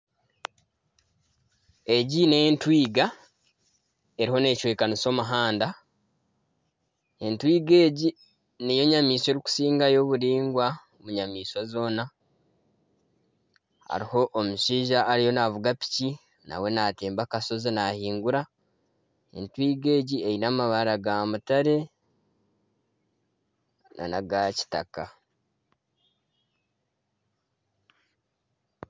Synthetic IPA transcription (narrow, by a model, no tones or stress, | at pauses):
e̞ɟineentwiːɡa | e̞ɾiho̞ne̞ːcwe̞ːkaniso̞muɦaːnda | e̞ntwiːɡe̞ːɟi | nejo̞ɲamiːse̞ɾiku̥siːŋɡajo̞ːβuɾiːŋɡwa | omuɲamiːsozo̞ːna | a̰ɾiho̞ʔːmuʃiːʒaʔːɾijo̞navuɡapi̥ci | na̰we̞nate̞ːmbakaso̞zinahiːŋɡuɾa | ḛntwiːɡe̞ːɟiejinamaβaɾaɡamutaɾe̞ | na̰naɡaci̥taka